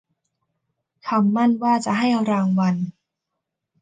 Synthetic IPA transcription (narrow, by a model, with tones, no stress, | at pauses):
kʰa˧mːa˥˩nwaː˥˩t͡ɕa˨˩ɦa˥˩jɾaː˧ŋwa˧n